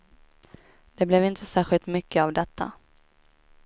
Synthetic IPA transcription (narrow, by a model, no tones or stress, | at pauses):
d̪̥ɛblɛvɪnt̪ʰəsæːɾɧɪlt̪mʏkʰːəavd̪ɛt̪ʰːa̰